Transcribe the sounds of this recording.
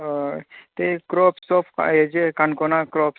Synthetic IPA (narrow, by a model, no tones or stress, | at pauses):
t̪ekɾopsopʰed͡ʒekankonakɾoːp